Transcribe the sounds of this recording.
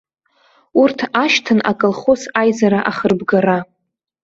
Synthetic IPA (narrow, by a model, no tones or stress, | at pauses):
urtʰaʃtʰɨnʔa̰kʼɨlχo̞sajzaɾaʔaχərbɡara